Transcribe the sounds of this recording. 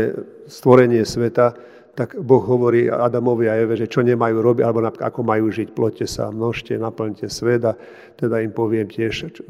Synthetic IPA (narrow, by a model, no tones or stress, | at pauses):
ɛ | st̪ʋɔɾɛɲɪɛsʋɛt̪a | t̪aɡbɔɣɦɔʋɔɾiːad̪amɔʋɪaɛʋɛʒɛt͡ʃɔɲɛmajuːɾɔbiɟalɛbɔnap̪akɔmajuːʒicplɔcːɛsa̰mnɔʃcɛnapl̩ɲcɛsʋɛd̪a | t̪ɛd̪aimpɔʋɪɛmcɪɛʃ